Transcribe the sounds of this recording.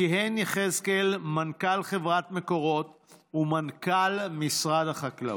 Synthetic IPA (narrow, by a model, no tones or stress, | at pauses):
iɦeniχezkelmankalχevʁat̪me̞ko̞ʁo̞t | umankalmisʁad̪aχakla̰